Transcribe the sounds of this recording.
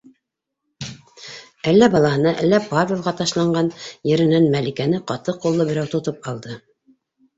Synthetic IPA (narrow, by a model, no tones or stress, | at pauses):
ælːæbɑlˠɑhɤ̆nɑʔælːæpavʲelˠʁɑt̪ɑʃlˠɑɴɢɑnjɘ̆ɾɘ̆nænmælikænɘqɑt̪ɤqulˠːɤbɘ̆ɾæwt̪ŏt̪op̚ɑlˠd̪ɤ